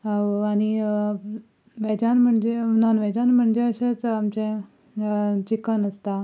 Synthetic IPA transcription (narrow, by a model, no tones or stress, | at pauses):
aɽ̃i | ʋɛd͡ʑanm̤əɳd͡ʑeunanʋɛd͡ʑanm̤əɳd͡ʑeəɕat͡samt͡ɕẽ | t͡ɕikənəst̪a